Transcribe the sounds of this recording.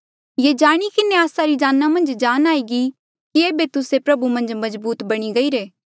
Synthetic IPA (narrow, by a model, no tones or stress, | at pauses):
jeːd͡ʒaːɽ̃ikɪneaːsaɾid͡ʒaːnːamɐ̃nd͡ʒd͡ʒaːnaːiɡi | kieːbet̪ʊsepɾɐbumɐ̃nd͡ʒmɐzbuːt̪bɐɽ̃iɡɐiɾeː